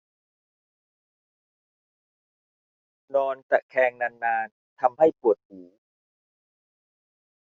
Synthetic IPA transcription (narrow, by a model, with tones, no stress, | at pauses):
nɔː˧nt̪a˨˩kʰɛː˧ŋna˧nːaː˧n | t̪ʰa˧mha˥˩jpu˨˩ət̪̚ʔuː˩˦